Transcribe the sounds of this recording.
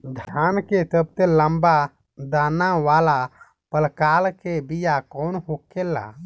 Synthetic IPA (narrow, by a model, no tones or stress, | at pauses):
d̪ʱanket̪əb̚t̪eləmba | d̪anaʋala | pəlkalkebijakɔnɦokela̰